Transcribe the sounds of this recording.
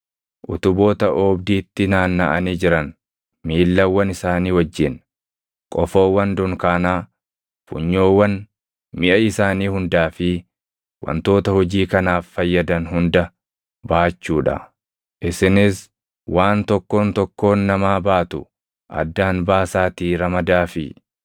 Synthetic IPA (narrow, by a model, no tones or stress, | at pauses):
ʔʊt̪ʊbo̞ːt̪ɐʔoːbd̪iːt̪ːɪnaːnːɐʔɐniːd͡ʒɪɾɐn | miːlːɐwːɐnɪsaːniːwɐd͡ʒːɪn | kʼɔfo̞ːwːɐnd̪ʊŋkaːnaː | fʊ̰ɲːo̞ːwːɐn | mɪʔɐɪsaːniːhʊnd̪aːfɪ | wɐ̰nt̪o̞ːt̪ɐhɔd͡ʒiːkɐnaːfːɐjːɐd̪ɐnhʊnd̪ɐ | baːt͡ʃːuːᶑɐ̰ | ʔɪsɪnɪs | wʔaːnt̪ɔkːo̞ːnt̪ɔkːo̞ːnːɐmaːbaːt̪ʊ | ʔɐ̰d̪ːaːnbaːsaːt̪iːɾɐmɐd̪aːfɪ̰